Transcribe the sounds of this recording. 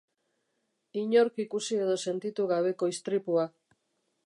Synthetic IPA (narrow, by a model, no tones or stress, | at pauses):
iɲo̞ɾkikusie̞ð̞o̞se̞nt̪it̪uɣaβ̞e̞ko̞ist̪ɾipua